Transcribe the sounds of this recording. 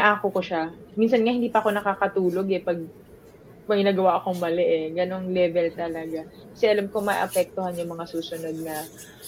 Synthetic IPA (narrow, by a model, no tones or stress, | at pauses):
nɐʔaːkoko̞ʃa | minsɐnŋahɪnd̪iːpɐʔɐko̞nɐkaːkɐt̪uːlo̞ɡɛpɐɡ̚ | mɐɡɪnaːɡɐwaʔɐko̞ŋmɐlɛʔɛɡɐno̞ŋlɛvɛlt̪ɐlɐɡa | kɐ̥sɛʔɐlamko̞mɐjʔɐ̰pɛk̚t̪ohanjʊŋmɐŋasuːsʊno̞d̪̚nɐ